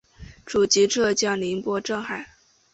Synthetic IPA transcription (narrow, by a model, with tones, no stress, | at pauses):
ʈ͡ʂu˨˩t͡ɕi˧˥ʈ͡ʂʰɤ˥˧t͡ɕjɑ˥˩ŋli˧˥npwɔ˥ʈ͡ʂɤ˥˧ŋxa˨˩˦ɪ